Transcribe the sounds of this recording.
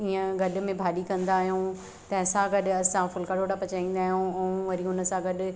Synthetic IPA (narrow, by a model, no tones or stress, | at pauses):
iə̃ɡɐɗmẽbʱaːɗikɐ̃nd̪aːɦijũ | t̪ɐ̃ɦɪ̃sãɡɐɗɐsãfʊlkaɽoːʈapɐt͡ɕaːĩːn̆d̪aːɦijũɛ̃ũʋɐɾiʊnə̆sãɡɐɗ